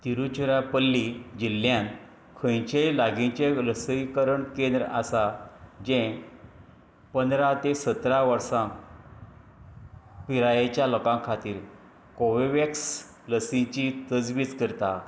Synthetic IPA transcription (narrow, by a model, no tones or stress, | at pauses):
t̪iɾut͡ɕuɾapəlːid͡ʑilːjãn | kʰəjt͡ɕelaɡĩt͡ɕeləsəjkəɾəɳkẽnd̪ɾasad͡ʑẽ | pənd̪ɾat̪esət̪ɾaʋəɾsã | piɾajet͡ɕjalɔkãŋkʰat̪iːɾ | koʋeʋeks | ləsĩt͡ɕit̪əd͡zʋiːt͡skəɾt̪a